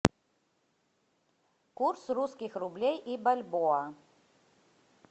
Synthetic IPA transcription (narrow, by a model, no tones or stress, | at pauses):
kursruskʲixrublʲejʔibalʲbɔɐ